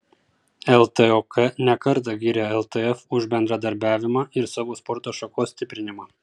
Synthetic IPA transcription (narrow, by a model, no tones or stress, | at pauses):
ɛlˠt̪ɛokʰɛnʲɛkɐɾt̪̬ɐɡʲiːɾʲɛɛlˠt̪ɛɛfʊʒbʲɛnd̪ɾɐd̪ɐɾʲbʲæːʋʲɪmɑʔɪɾsɑːʋoːspɔɾt̪oːʃɐkoːsʲt̪ʲɪpʲɾʲɪnʲɪmɑː